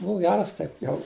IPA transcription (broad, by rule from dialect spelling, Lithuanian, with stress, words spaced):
ˈbʊʊ ˈɡʲæːrɐs ˈtɐɪp ˈjɛʊ